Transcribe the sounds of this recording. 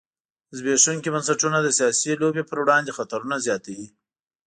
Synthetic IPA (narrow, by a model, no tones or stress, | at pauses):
zbeʂuŋkibansaʈunad̪əsijɑsilobepəɾwɽɑnd̪exat̪aɾunazjɑt̪awi